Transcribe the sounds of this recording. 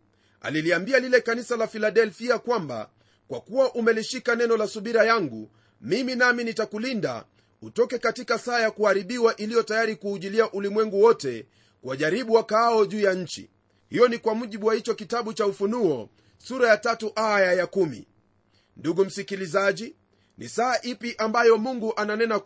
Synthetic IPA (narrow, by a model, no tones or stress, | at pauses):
a̰liliambialilɛkanisalafilaɗɛlfiakwamba̰ | kwakuwaʔumɛliʃikanɛnɔlasuɓiɾajaŋɡṵ | miminaminitakulinda̰ | utɔkɛkatikasaːjakuhaɾiɓiwaʔilijɔtajaɾikuːʄiliaʔulimwɛŋɡuwɔtɛ | kwaʄaɾiɓuwakaɔʄuːjaɲ̩t͡ʃḭ | hijɔnikwamuʄiɓuwahit͡ʃɔkitaɓut͡ʃaufunuɔ | suɾajatatuʔajajakumḭ | nduɡum̩sikilizaʄi | nḭsaːʔipiʔambajɔmuŋɡuʔananɛna